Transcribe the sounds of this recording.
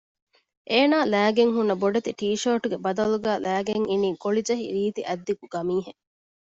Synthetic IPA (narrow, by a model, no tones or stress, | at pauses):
ʔeːnaːlæːɡeŋɦunːɐboɖɐt̪iʈiːʃoɾʈuɡebɐd̪ɐluɡæːlæːɡeŋiniːkoɭid͡ʒɐɦḭɾiːt̪iʔɐd̪ːikuɡ̥ɐmiːɦe